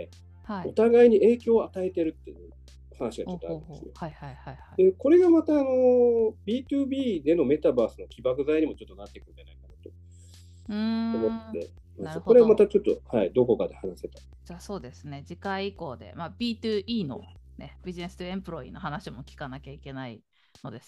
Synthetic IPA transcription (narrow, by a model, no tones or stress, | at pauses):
e | haio̞t̪aɡaiɲ̟iʔe̞ːkʲo̞ːat̪ae̞t̪e̞ɾɯ̟t̪ːe̞jɯ̟ː | hanaɕiɡaot̪ːoa̰ɾind̪sɨjoahaihaihaid̪e̞ko̞ɾe̞ɡamat̪aːno̞bʲiːt̪ɯːbʲiːd̪e̞no̞me̞t̪abaːsɨnokʲibakɯ̟zaiɲ̟imo̞t͡ɕo̞t̪ːo̞nat̪ːe̞kɯ̟̃ɲd͡ʒanaikanat̪o̞ | ɯ̃omot̪d̪e̞ | koɾe̞amat̪at͡ɕo̞t̪ːo̰haid̪o̞ko̞kad̪e̞hanase̞t̪ḁ | d͡ʑaːso̞ːd̪e̞sɨne̞d͡ʑikaiiko̞ːd̪e̞̰mabʲiːt̪ɯːʔiːno̞̰ne̞b̥ʲiʑine̞sɨ̥t̪oẽ̞mpɯ̟ɾo̞ḭno̞hanaɕimo̞kʲi̥kanakʲaike̞naḭ | no̞̰d̪e̞sɨ̥